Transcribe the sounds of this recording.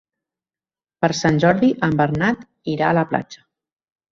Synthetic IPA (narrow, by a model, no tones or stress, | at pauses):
pəɾsanʲʒɔɾðiʔəmbəɾnat̪ | iɾaələpla̰d͡ʒə̥